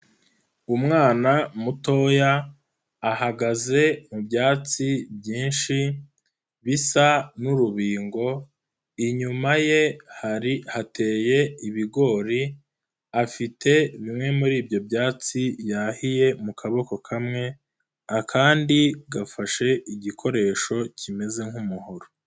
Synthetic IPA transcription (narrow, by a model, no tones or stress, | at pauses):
umŋaːnamuto̞jaː | haɡaze̞mubjaːt͡sibjiːnʃi | βisanuɾuβiːŋɡo̞ | iɲumaje̞haɾihate̞ːje̞iβiɡo̞ːɾi | afitʰe̞βimŋe̞muɾiːbjo̞bjaːt͡sijahije̞mukʰaβo̞ko̞kʰamŋe̞ | akʰaːndiɡafaʃe̞ʔiɟikʰo̞ɾe̞ːʃo̞cime̞ze̞ŋhumuhoɾo